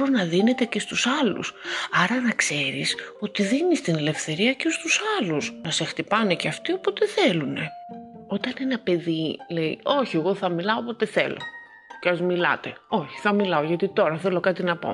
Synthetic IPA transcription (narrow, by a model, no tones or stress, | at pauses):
ɾonɐðine̞t̪e̞ce̞st̪usɐlṵsɐɾɐnɐkse̞ɾiso̞t̪iðinist̪ine̞le̞fθe̞ɾiɐcest̪usɐlusnɐse̞xt̪ipɐne̞ceɐft̪io̞pot̪e̞θe̞lune̞o̞t̪ɐne̞nɐpe̞ðile̞ḭo̞çie̞ɣo̞θɐmilɐopo̞t̪e̞θe̞̰lo̞̰ | ceɐzmilɐ̰t̪e̞o̞çi̥θɐmilɐoʝɐt̪it̪o̞ɾɐθe̞lokɐt̪inɐpo̞̰